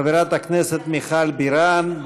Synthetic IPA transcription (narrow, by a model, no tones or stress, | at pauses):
viɾat̪akneset̪miχalbiɾanb